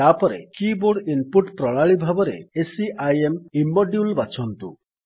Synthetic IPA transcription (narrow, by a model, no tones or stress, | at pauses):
apɔɾḛkiboɽinpuʈpɾɔɭ̃aɭibʱabɔɾḛesiʔajemimːɔɖjulbat͡ʃʰɔnt̪ṵ